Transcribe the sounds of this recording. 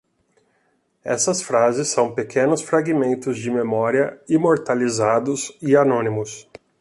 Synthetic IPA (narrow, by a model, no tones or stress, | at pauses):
ɛ̰sɐsfɾazɪsːɐ̃w̃pekʰẽnʊsfɾaɡimẽnt̪ʊzd͡ʒɪmemɔɾiɐimoɾt̪alizad̪ʊzɪanõnimʊs